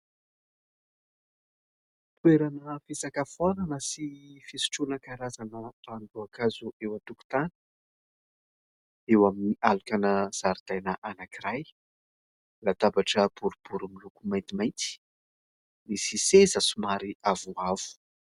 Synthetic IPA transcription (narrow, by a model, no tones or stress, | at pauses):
t̪ueɾanəfesakafwananəsifisi̥ʈ͡ʂunəkaɾazanəand̪uakazuewat̪uku̥t̪ani̥ | ewaminiʔalukanəz̥aɾd̪̥ajnəʔanakiɾaj | lat̪abaʈ͡ʂəb̥uɾub̥uɾumilukumajnt̪imajnt̪i̥ | misisezəsumaɾiavuavu̥